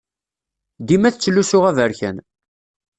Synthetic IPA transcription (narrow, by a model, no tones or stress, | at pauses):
d̪imæθt͡sːəlːusʊʁævəɾçə̰n